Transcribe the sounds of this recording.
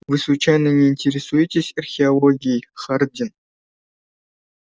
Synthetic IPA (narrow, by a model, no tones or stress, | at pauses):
vɨslut͡ɕajnənʲeinʲtʲeɾʲɪsujɪtʲesʲɐrxʲɪalˠoɡʲijχardʲɪn